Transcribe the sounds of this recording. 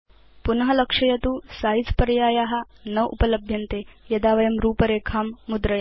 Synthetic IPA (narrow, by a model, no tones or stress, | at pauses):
punɐɦɐlɐkʂɐjɐt̪uːsaːjit͡spɐɾjaːjaːɦɐ̆nɐʋʔṵpɐlɐbʱjɐnt̪eːjɐd̪aːʋɐjɐmɾuːpɐɾeːkʰaːmːud̪ɾɐjɐ